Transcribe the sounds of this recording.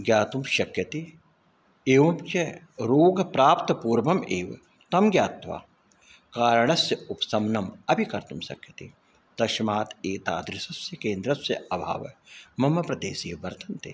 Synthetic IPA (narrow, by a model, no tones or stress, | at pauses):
ɡjaːt̪umʃɐkjɐt̪i | eːʋɐmt͡ʃe | ɾoːɡpɾaːpt̪puːɾʋɐmeːʋ | t̪ɐmɡjaːt̪ʋa̰ː | kaːɾɳɐsjɐʊpsɐmnɐmɐbʱikɐɾt̪umʃɐ̰kjɐt̪ḭ | d̪̥ɐʃmaːt̪eːt̪a̰ːd̪ɾɪsɐsjɐkẽːnd̪ɾɐsjɐ̰ɐbʱa̰ːʋmɐmɐpɾɐd̪eːseːʋɐɾt̪ʰɐnt̪ḛː